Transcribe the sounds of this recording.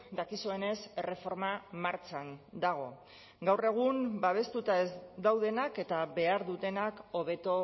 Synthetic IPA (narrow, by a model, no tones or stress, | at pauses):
d̪akisue̞ne̞sere̞fo̞ɾmamaɾt͡ʃand̪aɣ̞o̞ | ɡawre̞ɣ̞umbaβ̞e̞st̪ut̪ae̞zd̪awðe̞nake̞t̪aβe̞aɾðut̪e̞nako̞β̞e̞t̪o̞